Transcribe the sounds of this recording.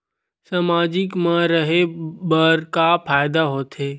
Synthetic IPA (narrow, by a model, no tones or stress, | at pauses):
samaːd͡ʒɪkmãɾəɦebəɾkapʰaːjɪd̪aɦoːt̪ɦeː